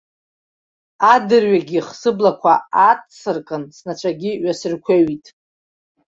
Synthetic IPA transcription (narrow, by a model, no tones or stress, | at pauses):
adɨrɥaɡʲiχsɨblakʷʰaatt͡sɨrkʼɨnsnat͡ʃʷʰaɡʲiɥasɨrkʷʰaɥitʼ